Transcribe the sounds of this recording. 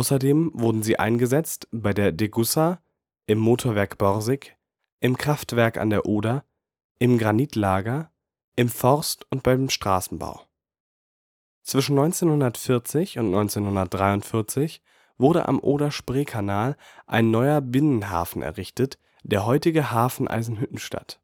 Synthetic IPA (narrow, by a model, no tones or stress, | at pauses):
ʔaʊsɐdeːmvʊɐdn̩ziːʔa̰ɪnɡəzɛt͡stb̥aɪdeːɐdeɡʊsa | ʔɪmːoːtʰoɐvɛɐkb̥ɔʁzɪk | ʔɪmkʁ̥aftv̥ɛɐka̰ndeːɐʔoːda | ʔɪmɡʁaniːtlaːɡɐ | ʔɪmfɔʁstʊntb̥aɪdeːmʃtʁ̥a̰ːsn̩ba̰ʊ | t͡sv̥ɪʃn̩nɔʏnt͡seːnhʊndɐtfɪɐt͡sɪçʊntnɔʏnt͡seːnhʊndɐt̚d̥ʁaɪʊntfɪɐt͡sɪç | vʊɐɾə̰ʔa̰mʔo̰ːɾaʃpʁ̥eːkʰanaːlʔa̰ɪnːɔʏɐbɪnənɦa̰ːfn̩ɛ̰ɐʁɪçtət | d̥eːɐɦɔʏtɪɡəhaːfn̩ʔa̰ɪzn̩ɦʏtn̩ʃtʰa̰t